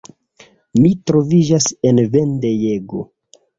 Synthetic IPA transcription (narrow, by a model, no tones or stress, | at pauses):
mitɾo̞vid͡ʒase̞nvendejeɡo